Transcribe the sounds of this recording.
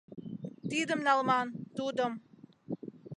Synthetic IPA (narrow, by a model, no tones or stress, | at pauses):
t̪iːd̪əmnalˠmaːnt̪uːd̪ɔm